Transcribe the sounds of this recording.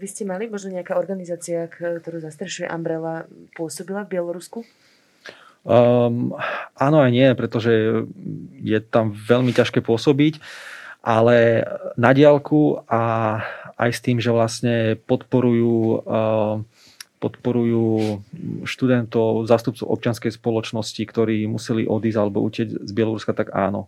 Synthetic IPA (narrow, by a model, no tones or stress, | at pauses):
ʋiscɛmalimɔʒnɔɲɛakaːɔɾɡanizaːt͡siakt̪ɔɾuːzast̪ɾɛʃujɛ̰ʔa̰mbɾɛlapʊɔsɔbilavbɪɛlɔɾusku | ʔanɔajɲɪɛpɾɛt̪ɔʒɛ | jɛt̪amʋɛʎmicaʃkɛːpʊɔsɔbicʔalɛnaɟɪalkua | a̰jst̪iːmʒɛʋlastɲɛpɔt̪pɔɾujuː | pɔt̪pɔɾujuː | ʃt̪ud̪ɛnt̪ɔʊzaːst̪up̚t͡sɔʊɔ̰p̚t͡ʃɪanskɛjspɔlɔt͡ʃnɔscikt̪ɔɾiːmusɛliʔɔd̪iːzalɛbɔ̰ṵcɪɛɟzbɪɛlɔɾuskat̪aɡa̰ːnɔ̰